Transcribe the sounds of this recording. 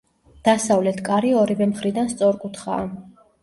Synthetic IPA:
d̪̥asavlɛt̪ʰkʼaɾiɔɾivɛmχɾid̪anst̪sʼɔɾkʼut̪χa̰ː

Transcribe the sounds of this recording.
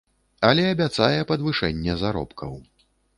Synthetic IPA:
ɐlʲɛɐbʲat̪sajɛpɐd̪vɨʂɛnʲːɛzaɾɔ̰pkʰɐ̰w

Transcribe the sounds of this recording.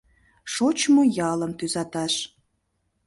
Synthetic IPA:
ʃot͡ɕmojɑləmt̪yzɑt̪ɑʃ

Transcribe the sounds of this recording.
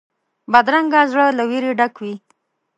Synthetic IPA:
bad̪ɾaŋɡazɽəlawiɾeɖakwi

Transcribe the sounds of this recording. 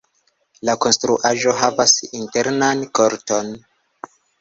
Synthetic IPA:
lako̞nstɾuʔaʒo̞ɦavasinte̞ɾnanko̞ɾto̞n

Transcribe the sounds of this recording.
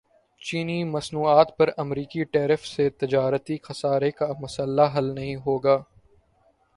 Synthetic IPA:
t͡ʃiːnimɐsnuːaːt̪pɐɾɐmɾiːkiʈɛːɾɪfset̪ɪd͡ʒaːɾət̪ixɐsaːɾekamʊsəlːaɦɐlnɐɦĩɦoːɡaː

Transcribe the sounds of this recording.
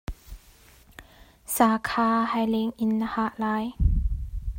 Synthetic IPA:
saːkʰaːhɐlɛŋʔɪnːəhaːʔlaːj

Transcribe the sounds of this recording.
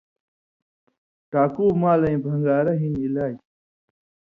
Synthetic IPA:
ʈaːkuːmaːlɐĩbʱɐŋɡaːɾɐɦinilaːj

